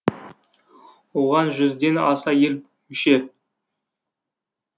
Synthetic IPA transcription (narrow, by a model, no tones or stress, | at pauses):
woʁɑnʒʏzd̪e̞nɑsɑjel | mʏʃe